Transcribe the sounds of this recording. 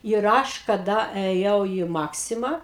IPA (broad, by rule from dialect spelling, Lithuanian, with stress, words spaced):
ɪr ˈɐʃ kɐˈdɐ ɛˈjɛʊ iː ˈmɑːksʲɪmɑː